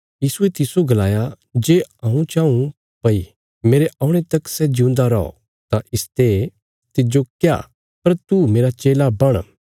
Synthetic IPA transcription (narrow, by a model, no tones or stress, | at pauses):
jiːsuet̪ɪsoɡɐlaːja | d͡ʒeːãːũt͡ʃãːũ | pɐi | meːɾeʔaːʊɽ̃ẽt̪ɐksɛd͡ʒɪʊ̃nd̪aɾɔo̰ | t̪aʔɪst̪e | t̪ɪd͡ʒokja̰ | pɐɾt̪umeːɾat͡ʃeːlabɐɽ̃